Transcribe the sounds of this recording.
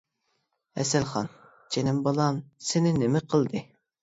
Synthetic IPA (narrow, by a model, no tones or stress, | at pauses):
ɛ̰sɛlχɑn | t͡ʃʰenɪmbolˠɑnsɪnɪnɪmɪqʰəlˠd̪ɨ